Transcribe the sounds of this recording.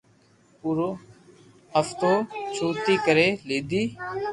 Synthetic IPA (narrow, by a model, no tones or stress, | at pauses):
puɾoː | əft̪oːt͡ʃʰuːt̪iːkəɾeːleːd̪iː